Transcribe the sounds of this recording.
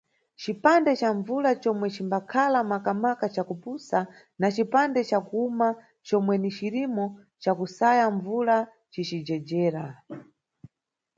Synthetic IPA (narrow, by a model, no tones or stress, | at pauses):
t͡ʃipandɛt͡ʃaɱvulat͡ʃɔmwɛt͡ʃimbakʰalamakamakat͡ʃakupusa | nat͡ʃipandɛt͡ʃakuuma | t͡ʃɔmwɛnit͡ʃiɾimɔ | t͡ʃakusajaɱvula | t͡ʃit͡ʃid͡ʒɛd͡ʒɛːɾa